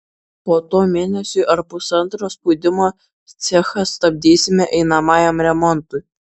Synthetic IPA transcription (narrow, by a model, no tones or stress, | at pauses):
poːt̪oːmʲeːnʲɛsʲʊɪʔɐɾpʊsɐnˑt̪ɾoːspuːd̪ʲɪmoː | t̪sʲɛxɐst̪ɐbʲd̪ʲiːsʲɪmʲɛʔɛɪnɐmɑːjɛmɾʲɛmɔnt̪ʊɪ